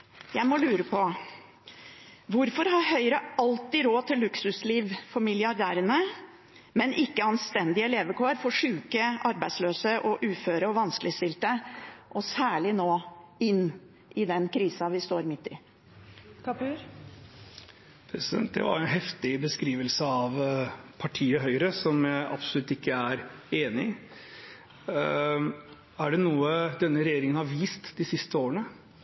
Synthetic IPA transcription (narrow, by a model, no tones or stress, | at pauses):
jæɪmɔlʉːɾəpʰɔ | ʋʊɾfɔɾhɑɾhœʏɾəɑlt̪ɪɾoːt̪ʰɪlːʉksʉsliːʋfɔɾmɪlɪɑɾɖ̪æːɾənə | mɛnʔɪkːəɑnst̪ɛnd̪ɪəɛleːʋəkʰoːəɾfɔʂʉːkəʔɑɾbæɪd̪sløːsəʔɔʔʉːføːɾəɔʋɑnskəlɪəst̪ɪlt̪əʔɔsæːɭɪnoːɪnː | ʔɪd̪ɛnkʰɾiːsɑʋɪst̪oːɾmɪt̪ːɪ | kpʉ | pʰɾɛsɪd̪ɛ̰nt̪̚d̪ɛ̰ʋɑ̰ɾɛnɦɛft̪ɪbəskɾiːʋəlsəɑʋpʰɑʈʰiːəɦœʏɾəsɔmjæɪʔɑ̰psɔlʉt̪ːɪkːəæɾeːnɪ | æɖɛnuːəd̪ɛnːəɾɛjeːɾɪŋənhɑɾʋiːst̪d̪ɪsɪst̪əoːɾənə